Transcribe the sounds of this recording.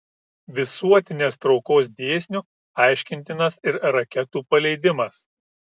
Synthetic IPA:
ʋʲɪsuɔt̪ʲɪnʲeːst̪ɾɒʊkoːs̬d̪ʲeːsʲnʲu | ɑˑɪʃʲkʲɪnʲt̪ʲɪnɐsɪɾɾɐkʲɛt̪uːpɐlʲɛɪd̪ʲɪmɐs

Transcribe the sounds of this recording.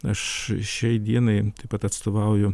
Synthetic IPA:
ɐʃʃʲɛɪd̪ʲiɛnɐɪt̪ɐɪpɐt̪ɐt̪st̪oːʋɐʊjʊ

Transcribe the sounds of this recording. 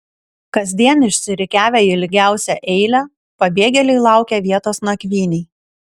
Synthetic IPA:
kɐzʲd̪ʲiɛnɪʃʲsʲɪɾʲɪkʲæːʋʲɛɪlʲɪɡʲæˑʊsʲɛʔɛɪlʲæː | pɐbʲeːɡʲɛlʲɛɪlˠɑˑʊkʲɛʋʲiɛt̪oːsnɐkʲʋʲiːnʲɛɪ

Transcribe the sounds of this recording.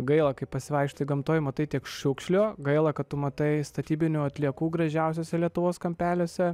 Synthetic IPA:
ɡɐɪlˠɐkɐɪpɐsʲɪʋɐɪkʃt̪ɐɪɡɐmt̪oːjɪmɐt̪ɐɪtʲiɛkʃʊkʃʲlʲoɡɐɪlˠɐkɐt̪t̪ʊmɐt̪ɐɪst̪ɐt̪ʲiːbʲɪnʲuːɐt̪ʲlʲiɛkuːɡɾɐʒʲɛʊs̬ʲoːsʲɛlʲiɛt̪ʊʋoːskɐmʲpʲæːlʲoːsʲɛ

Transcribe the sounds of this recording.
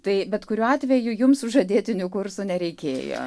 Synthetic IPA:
t̪ɐɪbʲɛt̪kʊɾʲuːɑːt̪ʲʋʲɛjʊjʊmsʊʒɐd̪ʲeːt̪ʲɪnʲʊkʊrsʊnʲɛɾʲɛɪkʲeːjo̰ː

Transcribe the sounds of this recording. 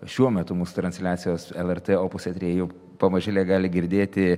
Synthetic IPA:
ʃʲuɔmʲɛt̪ʊmuːsʊ̥t̪ɾɐnʲsʲlʲæːt̪sʲɪjoːsɛlˠɛrt̪eoːpʊsʲɛt̪ʲɾʲeːjɛʊ | pɐmɐʒʲɪlʲɛɡɑːlʲɪɡʲɪɾʲd̪ʲeːt̪ʲɪ

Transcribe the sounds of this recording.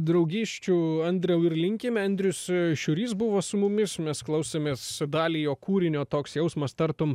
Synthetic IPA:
d̪ɾɐʊɡʲiːʃʲt͡ʃʲuɐnʲd̪ʲɾʲɛʊɪɾlʲɪŋʲkʲɪmʲɐnʲd̪ʲɾʲʊsʃʲʊɾʲiːs̬bʊʋoːsʊmʊmʲɪsmʲɛsklˠɐʊsʲeːmʲeːsd̪ɑːlʲiːjoːkuːɾʲɪnʲoːt̪oːksjɛʊsmɐst̪ɐɾt̪om

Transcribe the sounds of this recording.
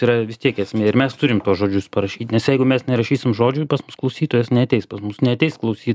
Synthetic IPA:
iɾɐʋʲɪst̪ʲiɛkɛsʲmʲeːɪɾmʲɛst̪ʊɾʲɪmt̪uɔsʒoːd͡ʒʲʊspɐɾɐʃʲiːt̪ʲnʲɛsjɛɪɡʊmʲɛsnʲɛɾɐʃʲiːsʲɪmʒoːd͡ʒʲʊpɐsmʊsklˠɐʊsʲiːt̪oːjɛsnʲɛɐt̪ʲɛɪspɐsmʊsnʲɛɐt̪ʲɛɪsklˠɐʊsʲiː

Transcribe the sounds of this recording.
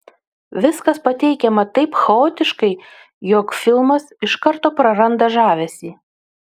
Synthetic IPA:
ʋʲɪskɐspɐt̪ʲɛɪkʲɛmɐt̪ɐɪpxɐoːt̪ʲɪʃkɐɪ | jokfʲɪlˠmɐsɪʃkɐɾt̪oːpɾɐɾɐnd̪ɐʒɑːʋʲɛsʲiː

